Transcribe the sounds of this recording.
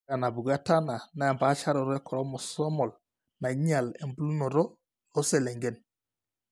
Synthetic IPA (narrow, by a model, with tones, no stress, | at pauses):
a˨na˨bu˨ɡa˦ta˦na˨na˨a˨mba˦t͡ʃa˦ɾo˨ɾe˦kɔ˨ɾɔ˦mɔ˨sɔ˦mɔ˨l | na˨˦ɲa˨le˨mbu˦lu˦no˨ɾɔ˦ | o˦se˨le˨ŋɡe˦n